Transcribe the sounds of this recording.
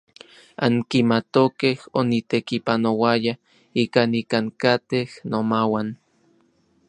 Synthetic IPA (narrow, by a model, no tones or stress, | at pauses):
a̰ŋkimat̪okehonit̪ekipanowaja | ikanikaŋkat̪ehnomawan